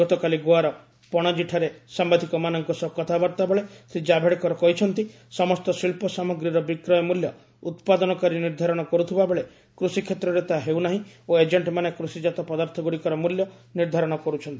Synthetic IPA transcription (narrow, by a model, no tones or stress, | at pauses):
ɔt̪ɔkaliɡoaɾɔ | pɔɽ̃ɔd͡ʒiʈʰaɾesambad̪ʱikɔmanɔŋkusɔb̚kɔt̪ʰabɔɾt̪abeɭesid͡ʒabʱeɽekɔɾɔkɔɦit͡ʃʰɔnt̪i | sɔmɔst̪ɔsilpɔsamɔɡɾiɾɔbikɾɔjɔmuljɔ | ut̪pad̪ɔnɔkaɾiniɾd̪ʱaɾɔɽ̃ɔkɔɾut̪ʰibabeɭe | kɾusikʰet̪ɾɔɾet̪aɦewnaɦĩoed͡ʒeɳʈmanekɾusid͡ʒat̪ɔpɔd̪aɾt̪ʰɔɡuɽikɔɾɔmuljɔniɾd̪ʱaɾɔɽ̃ɔkɔɾut͡ʃʰɔnt̪i